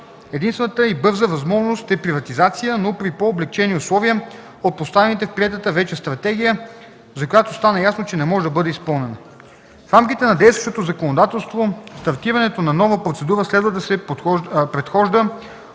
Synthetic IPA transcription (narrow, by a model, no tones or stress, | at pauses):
ɛd̪inst̪vɛnət̪əibɤɾzəvɐzmɔʒnost̪ɛpɾivɐt̪izat̪sijənopɾipoːblɛk̚t͡ʃɛniʊslˠɔviə | ot̪̚post̪avɛnit̪ɛfpɾiɛt̪ət̪əvɛt͡ʃɛst̪ɾɐt̪ɛɡ̟ʲijə | zɐkojat̪ost̪anɐjasnot͡ʃɛnɛmɔʒɛd̪ɐbɤd̪ɛispɤlˠnɛnə | fɾamkit̪ɛnɐd̪ɛjst̪vəʃt̪ot̪ozɐkonod̪at̪ɛlˠst̪vost̪ɐɾt̪iɾɐnɛt̪onɐnɔvəpɾot̪sɛd̪uɾəslɛd̪vəd̪ɐsɛ | pɾɛt̪xɔʒd̪ə